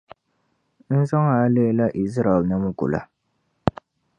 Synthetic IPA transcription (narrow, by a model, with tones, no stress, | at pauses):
n̩˦zɔ˦ŋa˨˦leː˦la˦ʔi˨zɾa˨lnɨ˦m˦ɡʊ̰˨la̰˨